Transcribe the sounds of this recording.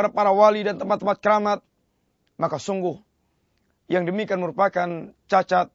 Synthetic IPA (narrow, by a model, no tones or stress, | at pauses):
ɾapaɾawalidant̪əmpat̪ːəmpat̪̚kəɾamat̪̚ | makasuŋɡʊh | jaŋdəmikianməɾupakant͡ʃat͡ʃat̪̚